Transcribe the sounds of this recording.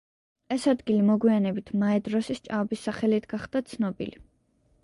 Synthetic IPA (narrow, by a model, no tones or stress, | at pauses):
ɛsad̪ɡilimɔɡwianɛbit̪ʰmaɛd̪ɾɔsist͡ʃʼaɔbisːaχɛlit̪ʰɡ̥aχd̪̥at̪sʰnɔbḭli